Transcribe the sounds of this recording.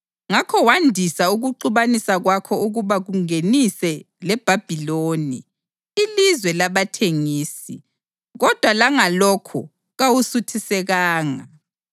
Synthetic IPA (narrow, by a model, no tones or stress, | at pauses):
ŋakʰɔwandʱisauɣuǃuβanisaɣwakʰɔuɣuβaɣuŋenisɛ | lɛb̥ʱab̥ʱiloːni | ilizwɛlaβatʰeŋiːsi | ɣɔd̥ʱwalaŋalɔkʰɔ | ɣawusutʰisɛɣaːŋa̰